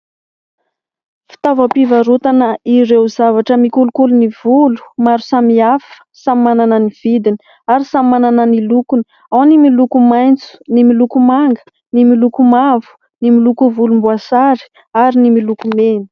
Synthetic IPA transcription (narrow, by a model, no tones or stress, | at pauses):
fi̥t̪avəpivaɾut̪anəʔiɾewzavaʈ͡ʂəmikulukulunivulu̥maɾusamiafə̥samimananəniv̥id̪ini̥ | aɾisamimananənilukun | awnimilukumajnt͡su̥nimilukumaŋɡə̥ | nimilukumavu̥ | nimilukuvulumbuasaɾi̥ | aɾinimilukumeni̥